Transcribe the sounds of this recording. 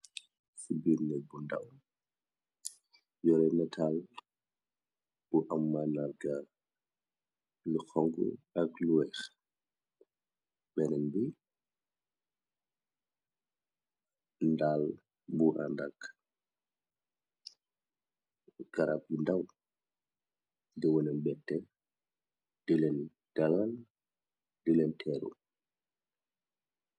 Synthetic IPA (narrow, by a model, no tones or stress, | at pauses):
subiɾnɛbundɐw | jɔɾɛmɛtʰal | b̥uʔamːanarɡa | lixɔŋɡṵɐkluwɛx | bɛnɛnbi | ndaːl | buʔa̰ndak | ɡ̥ɐɾap̚jundaw | diwɔnɛnbɛtːɛ | d̥ilɛn | d̥alal | dilɛntʰɛɾṵ